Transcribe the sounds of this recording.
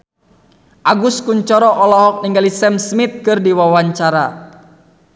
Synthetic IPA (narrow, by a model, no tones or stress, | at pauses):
ʔaɡuskuɲt͡ʃɔɾɔʔɔlɔɦɔk̚niŋɡalisɛmsmit̪̚kɨrdiwawaɲt͡ʃaɾa̰